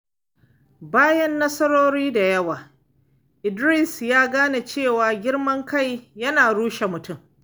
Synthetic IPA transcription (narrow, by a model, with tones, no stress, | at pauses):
baː˦jɐ˦nːɐ˦sɐ˦ɽoː˦ɾiː˦da˨jɐ˦waː˨ | ʔɪ˨dɾi˦˨sjaː˦ɡaː˦na˨t͡ʃeː˦˨waː˨ɡʲɪ˦ɽmɐ˦ŋka˦˨jjɐ˦naː˨ɽuː˦ʃe˨mʊ˨tʊ˦˨m